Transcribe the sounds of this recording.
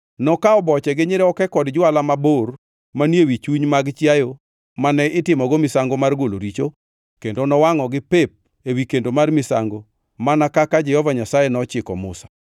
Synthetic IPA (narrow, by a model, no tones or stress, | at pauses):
nɔkaɔbɔt͡ʃɛɡɪɲɪɾɛɔkɛkɔdd͡ʒwalamabor | manjewit͡ʃuɲmaɡt͡ʃjajo | manɛʔɪtɪmɔɡomɪsaŋɡomarɡolo̰ɾit͡ʃo | kendonɔwaŋɔɡɪpep̚ | ewikendomarmɪsa̰ŋɡo | manakakad͡ʒɛhɔvaɲasajɛnɔt͡ʃɪkɔ̰mʊ̰sḁ